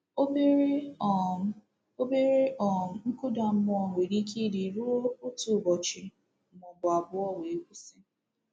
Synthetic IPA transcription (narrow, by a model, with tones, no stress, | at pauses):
o˦be˦ɾe˦ɔ˨m̩˦kʊ˦da˨m̩˦mʊ˦ɔ˨ŋʷe˨ɾi˦ki˦di˨ɾu˦o˦o˦tu˨bɔ˨t͡ʃɪ˨ | mʊ˨bʊ˨a˨bʊ˦ɔ˦we˨e˦kʷu˦sɪ˦